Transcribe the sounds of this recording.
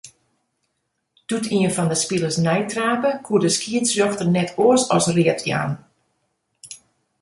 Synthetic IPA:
d̥utiənfɔndəspilˠəsnɛjtraːpəkʰuədəskiəsjɔxtərnɛtʰoəsɔsrɪətʰja̰ːn

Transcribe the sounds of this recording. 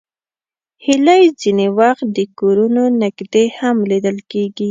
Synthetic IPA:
hilajd͡zinewaxt̪̚d̪əkoɾunonɪɡd̪ehamlid̪əlkeɡi

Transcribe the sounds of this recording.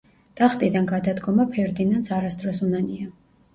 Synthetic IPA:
d̪̥aχt̪ʼid̪anɡad̪ad̪ɡɔmapʰɛɾd̪inant̪saɾasd̪ɾɔsunania

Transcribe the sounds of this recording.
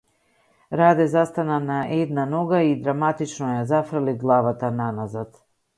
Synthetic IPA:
ɾad̪ɛzast̪ananaʔɛd̪nanɔɡaid̪ɾamat̪it͡ʃnɔjazafɾliɡlˠavat̪ananazat̪

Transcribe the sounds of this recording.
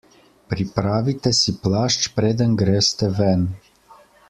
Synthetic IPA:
pɾipɾaːʋit̪ɛsiplaːʃt͡ʃpɾeːd̪ənɡɾeːst̪ɛʋɛn

